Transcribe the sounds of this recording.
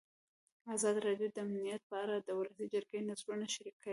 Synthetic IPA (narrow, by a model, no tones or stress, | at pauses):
azɑd̪iɾɑɖijod̪əamnijat̪̚pəaɾad̪əwlasid͡ʒaɾɡenazɾunaʃaɾikːai